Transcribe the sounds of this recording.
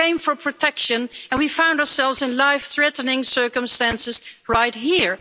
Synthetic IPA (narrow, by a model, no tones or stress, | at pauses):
ẽɪ̃ɱfə˞pʰɹ̥ɔtʰɛkʃɨ̃nɨ̃nwifãʊ̃ndəsɛlˠvzɨ̃nlaɪfθɹɛtnɪ̃ŋsɜ˞kə̃mstæ̃nsɨz̥ɹaɪt̚ɦiɹ